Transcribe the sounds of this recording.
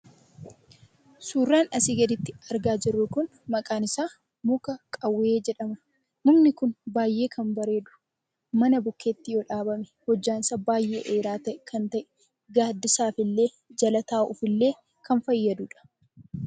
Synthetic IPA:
suːrːaːnɐsɪɡɐd̪ɪt̪ːɪɐɾɡaːd͡ʒɪrːʊkʊn | mɐkʼaːnɪsaː | mʊkɐkʼɐwːeːd͡ʒɛᶑɐmɐ | nʊmnɪkʊnbaːjʔe̞ːkʰɐmbɐɾe̞ːd̪ʊ̥ | mɐnɐbʊkʰːe̞ːt̪ːɪjoːᶑaːbɐmɛ̥hɔd͡ʒːaːnɪsaːbaːjːe̞̰ːʔeːɾaːt̪ɐʔɪkʰɐnt̪ɐʔɛ̥ | ɡaːd̪ːɪsaːfɪlːe̞ː | d͡ʒɐlɐt̪aːʊfɪlːe̞ː | kʰɐnfɐjːɐd̪ʊᶑɐ̥

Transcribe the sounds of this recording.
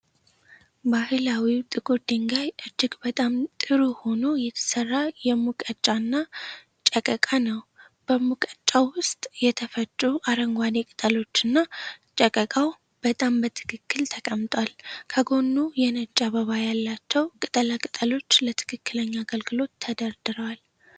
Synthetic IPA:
bahɨlawit̪ʼɨɡod̪iŋɡajʔɨd͡ʒːɪɡbət̪ʼamt̪ʼɨɾuho̞no̞jɛt̪ʰə̥sərːajɛmukʼət͡ʃʼːanːa | t͡ʃʼəkʼəkʼanəw | b̥əmukʼət͡ʃʼːawʊst̪ʼjɛt̪ʰəfət͡ʃʼːuʔaɾəŋɡʷanekʼɨt̪ʼəlo̞t͡ʃːɨnːat͡ʃʼəkʼəkʼaw | b̥ət̪ʼambət̪ʰɨ̥kʰɨkːɨlt̪ʰəkʼəmt̪ʼwalkʰəɡo̞nːujɛnət͡ʃʼːaβəβajalːat͡ʃːɛwkʼɨt̪ʼəlakʼɨt̪ʼəlo̞t͡ʃːlət̪ʰɨ̥kʰɨkːɨləɲːaːɡəlɡɨlo̞t̪ʰːəd̪əɾd̪ɨɾəwal

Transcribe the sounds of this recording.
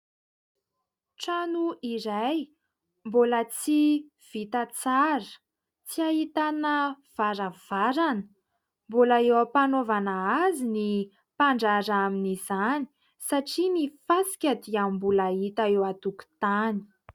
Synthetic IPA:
ʈ͡ʂanuiɾaj | mbolət͡si | v̥it̪at͡saɾə̥ | t͡siaɦit̪anə | v̥aɾav̥aɾanə̥ | mbolaewəpanovanaazini | paɳɖ͡ʐaɾaminizani̥ | saʈ͡ʂinifasi̥kʲad̪iambulaɦit̪aewat̪uku̥t̪ani̥

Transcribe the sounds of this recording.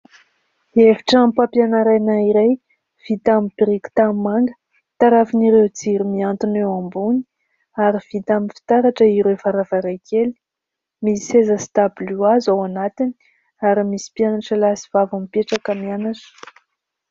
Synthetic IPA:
eviʈ͡ʂampapjanaɾajnaiɾej | v̥it̪amipiɾiku̥t̪ammaŋɡə̥ | t̪aɾafiniɾewt͡siɾimiant̪inewambuni̥ | aɾiv̥it̪amifi̥t̪aɾaʈ͡ʂəiɾefaɾavaɾajkʰeli̥ | misezəst̪abluazawanat̪ini̥ | aɾimisi̥pjanaʈ͡ʂəlasi̥v̥avamipeʈ͡ʂakamianaʈ͡ʂə̥

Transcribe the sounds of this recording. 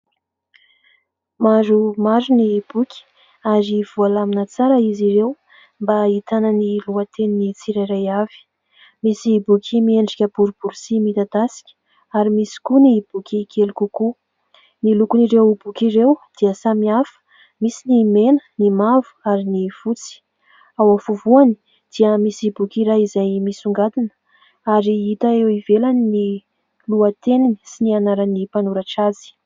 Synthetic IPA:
maɾumazunib̥ukʰʲi̥ | aɾiv̥ualaminət͡saɾəiziɾew | mbait̪anəniluət̪ʰeninit͡siɾaɾajav̥i̥ | misibukʲʰimieɳɖ͡ʐikʲəbuɾubuɾisimit̪ad̪asi̥kʲə̥ | aɾimisi̥kunib̥ukʰʲikʰelikuku | nilukuniɾewbukʲiɾewd̪̥iəsamiafə̥ | misinimenə̥nimavu̥aɾinifut͡si̥ | awafuvuani̥ | d̪̥iəmisibukʲiɾaizajmisuŋɡad̪inə̥ | aɾiit̪aewivelanini | luət̪enini̥sinianaɾanipanuɾaʈ͡ʂazi̥

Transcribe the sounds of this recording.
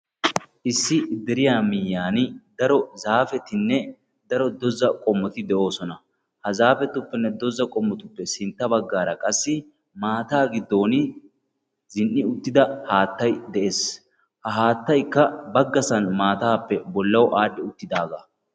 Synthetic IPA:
ʔɪsːɪd̪ɛɾɪjaːmɪjːaːnɪd̪ɐɾɔzaːfɛt̪ɪnːɛ | d̪ɐɾɔd̪ɔzɐkʼɔmːɔt̪ɪd̪ɛʔo̞ːsɔnɐ | hɐzaːfɛt̪ːʊpːɛnːɛd̪ɔzɐkʼɔmːɔt̪ʊpːɛsɪnt̪ːɐbɐɡːaːɾɐkʼɐsːɪ | maːt̪aːɡɪd̪ːo̞ːnɪ | zɪnʔːɪʊt̪ːɪd̪ɐhaːt̪ːɐjd̪ɛʔe̞ːs | hɐɦaːt̪ːɐjkːɐbɐɡːɐsɐnmaːt̪aːpːɛbɔlːɐwʔaːɗːɪʊt̪ːɪd̪aːɡɐ

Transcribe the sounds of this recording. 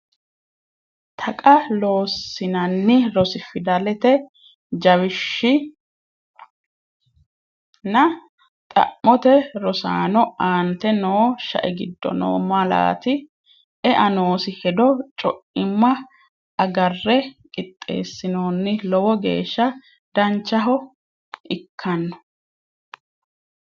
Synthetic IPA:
t̪ʰɐkʼɐlo̞ːsːɪnɐnːɪɾɔsɪfɪd̪ɐlɛt̪ɛ | d͡ʒɐwɪʃːɪ | nɐ | t̪ʼɐ̰mːɔt̪ɛɾɔsa̰ːnɔaːnt̪ɛnoːʃɐ̰ʔɛɡɪd̪ːɔ̰no̰ːmɐla̰ːt̪ɪ | ɛʔɐnoːsɪhɛd̪ɔt͡ʃʼɔʔɪmːɐ | ʔɐɡɐrːɛkʼɪt̪ʼːe̞̰ːsːɪno̞ːnːɪlɔwɔɡe̞̰ːʃːɐ | d̪̥ɐnt͡ʃːɐɦɔ | ʔɪkʰːɐnːɔ̥

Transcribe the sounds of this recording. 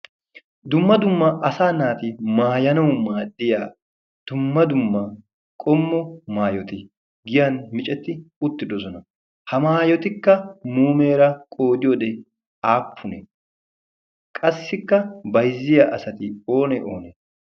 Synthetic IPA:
d̪ʊmːɐd̪ʊmːɐʔɐsaːnaːt̪ɪmaːjɐnɐwʊmaːd̪ːɪja | d̪̥ʊmːɐd̪ʊmːɐ | kʼɔmːɔmaːjɔt̪ɪ | ɡɪjɐnmɪt͡ʃʼɛt̪ːɪʊt̪ːɪd̪ɔzɔnɐ | hɐmaːjɔt̪ɪkːɐmuːme̞ːɾɐkʼo̞ːd̪ɪjɔd̪ɛ | aːpʰːʊnɛ | kʼɐsːɪkːɐbɐjzɪjɐʔɐsɐt̪ɪo̞ːnɛʔoːnɛ

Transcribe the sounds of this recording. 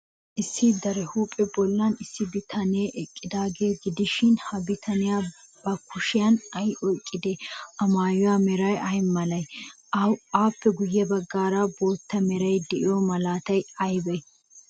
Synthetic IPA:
ʔɪsːɪd̪ɐɾɛhuːpʼːɛbɔlːɐnɪsːɪbɪt̪ʰɐneːʔɛkʼːɪd̪aːɡeːɡɪd̪ɪʃɪnhɐbɪt̪ʰɐnɪjaː | b̥ɐkːʊʃɪjɐnɐjʔɔkʼːɪd̪ɛɐmaːjʊwaːmɛɾɐjɐjmːɐlɐj | aːpːɛɡʊjːɛbɐɡːaːɾaːbo̞ːt̪ːɐmɛɾɐjd̪ɛʔɪjomɐlaːt̪ɐjɐjbɛj

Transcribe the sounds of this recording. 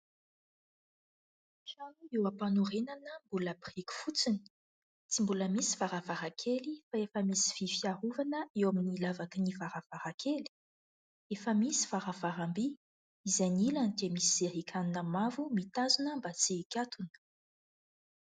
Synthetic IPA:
ʃanuewapanuɾenanəmbuləprikʲi̥fut͡sini̥ | t͡simbuləmisi̥vaɾavaɾakʰelifaefəmisi̥fifiaɾuvanəewaminilavakinivaɾav̥aɾakʰeli̥ | efəmisi̥v̥aɾavaɾambi | izajnilant̪emisiz̥eɦikʲʰaninəmavumit̪azunəmbat͡sikʲat̪unə̥

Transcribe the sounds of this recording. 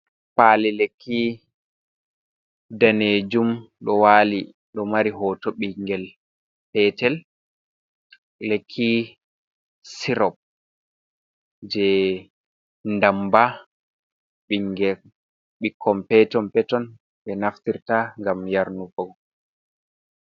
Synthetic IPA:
paːlilekʰːi | daned͡ʒumɗɔwaːli | ɗɔmaɾiɦɔtɔɓiŋɡɛl | pɛtɛl | lekʰːi | siɾɔp̚ | d͡ʒɛ | ndamba | ɓiŋɡɛ | ɓikʰːɔmpɛtɔmpɛtɔn | ɓɛnaftiɾtaŋɡamjaɾnufɔɡɔ

